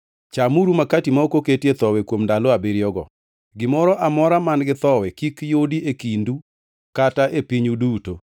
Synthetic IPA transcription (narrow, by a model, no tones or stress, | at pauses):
t͡ʃamuɾumakatimaokoketet̪ɔwɛkwomndaloabeɾjɔɡɔ̰ | ɡɪmɔɾɔʔamɔɾamanɡɪt̪ɔwɛkikjodiekindu | kataʔepiɲuduto